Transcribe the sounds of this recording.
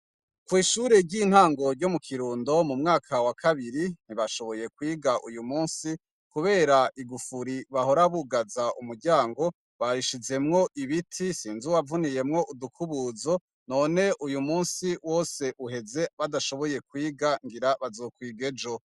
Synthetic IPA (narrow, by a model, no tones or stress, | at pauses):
kwiːʃuːɾeɾɟiːn̥haːŋɡo̞ɾɟo̞mukʰiɾuːndo̞mumŋaːkʰawakʰaβiɾin̥iβaʃo̞βo̞je̞kwiːɡaʔujumuːnsi | kuβe̞ːɾaʔiɡufuɾiβaho̞ɾaβuɡazaumuɾɟaːŋɡo̞ | βaɾiʃize̞mŋo̞ʔiβitʰisiːnzuwavunije̞mŋo̞ʔudukʰuβuːzo̞ | no̞ːne̞ʔujumuːnsiwo̞ːse̞ʔuɦe̞ze̞βadaʃo̞βo̞je̞kwiːɡaŋɡiɾaβazo̞ːkwiːɡe̞d͡ʒo